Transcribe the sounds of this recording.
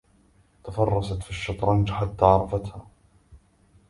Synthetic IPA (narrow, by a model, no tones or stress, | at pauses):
t̪afɑrˤːɑsat̪fiʃːɑt̪ˤɾˤɑnd͡ʒħat̪ːaːʕɑɾˤɑfat̪haː